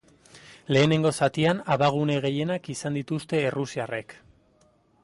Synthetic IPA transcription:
le̞ːne̞ŋɡo̞sat̪ianaβaɣ̞une̞ɣ̞e̞je̞nakisand̪it̪ust̪e̞ːrusiare̞k

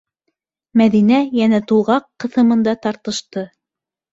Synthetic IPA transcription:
mæðinæjænæt̪ulˠʁɑqːɤ̆θɤ̆mɤ̆nd̪ɑt̪ɑɾt̪ɤ̆ʃt̪ɤ

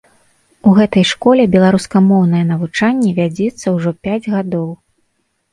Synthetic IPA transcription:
uɣɛt̪ɐjʂkɔlʲɛbʲɛlˠaɾuskɐmɔwnɐjɛn̪ɐvut͡ʂanʲːɛvʲad͡zʲɛt̪sːɐwʐɔpʲad͡zʲɣad̪ɔw

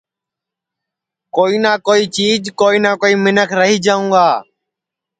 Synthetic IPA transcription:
koːiːnaːkoːiːt͡ʃiːd͡ʒkoːiːnãːkoːiːmɪnəkʰɾəɦiːd͡ʒaːũːɡaː

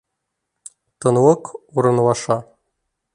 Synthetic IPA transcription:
t̪ɤ̆nwɤkuɾɤ̆nwɑʂɑ

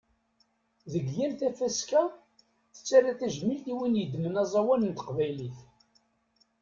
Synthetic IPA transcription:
ðəɡjænθæfæskæ | θə̥t͡sːæræθæʒmilt̪iwinjəd̪ːmənɑzˤɑwænənt̪ə̥qvæjliθ

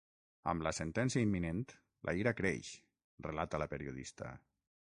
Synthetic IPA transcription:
ə̰mləsent̪ɛnsiəimːinent̪ | lʔa̰iɾakɾḛʃ | relat̪ələpeɾiuðḭst̪ə̰

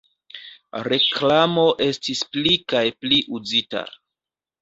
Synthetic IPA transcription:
ɾe̞klamo̞ʔe̞stisplikajpliʔuzita̰

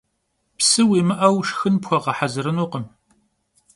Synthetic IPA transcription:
psɨwiːmɨʔɐwʂxɨnpxʷɔʁɐħazɨɾɨnuːqəm

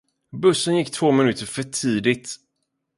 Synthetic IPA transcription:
bɵsːənjɪkːt̪ʰv̥oːmɪnʉ̟ːt̪əɾfœʈʰiːd̪ɪt̪

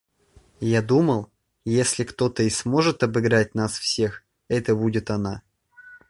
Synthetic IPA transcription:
jad̪uməlˠ | jesʲlʲɪkt̪o̞t̪əɪsmo̞ʐɨt̪ɐbɨɡɾat̚ʲnasfsʲe̞x | ɛt̪əbudʲɪt̪ɐna

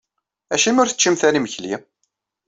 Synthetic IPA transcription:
æʃimʊɾθə̥t͡ʃːimθæniməçli

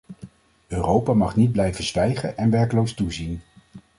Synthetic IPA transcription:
øːrowpamɑχnid̚blɛjvəzʋɛjχə̰nʔɛnʋɛɹklowstuzin

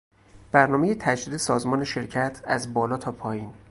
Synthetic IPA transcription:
b̥æɾnɒːmejet̪ʰæd͡ʒd̪iːd̪esɒːzmɒːneʃe̞ɾcʰæt̪ʰæzbɒːlɒːt̪ʰɒːpʰɒːjiːn

